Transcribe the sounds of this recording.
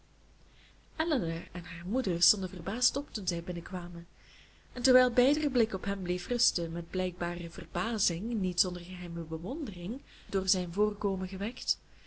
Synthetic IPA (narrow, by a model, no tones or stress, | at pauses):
ʔɛlənaɛnɦaːrmudərstɔndəvərbaːstɔptunzɛjbɪnəkʋaːmən | ɛntɛrʋɛjlˠbɛjdərəblɪkɔpɦɛmbleːfrɵstəmɛd̚blɛjɡ̚baːrəvərbaːzɪŋnitsɔndərɣəɦɛjməbəʋɔndərɪŋ | doːrzɛjnvoːrkoːmənɣəʋɛkt